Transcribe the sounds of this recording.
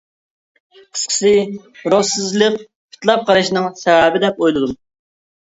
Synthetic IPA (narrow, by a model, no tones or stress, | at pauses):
qʰə̥sqʰə̥sɪ | ɾosɨzlˠəq | pʰi̥t̪ʰlˠɑp̚qʰɑɾɨʃinɨŋsɛvæbɪd̪ɛpojlˠɨd̪um